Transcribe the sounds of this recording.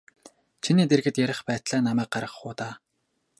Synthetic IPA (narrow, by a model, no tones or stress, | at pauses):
t͡ɕʰiniːt̪erɣɘ̆t̪jæɾʲɪ̆χpæːt̪ɮæːnamæːk̚ɢaɾʁə̆χχʊːt̪aː